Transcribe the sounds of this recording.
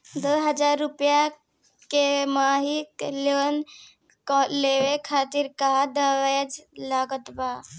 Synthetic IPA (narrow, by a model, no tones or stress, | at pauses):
d̪əɦəd͡ʒaːɾːʊpja | kemaːɦikleən | kːleʋekʰaːt̪iɾkad̪əʋed͡ʒlaːɡət̪baː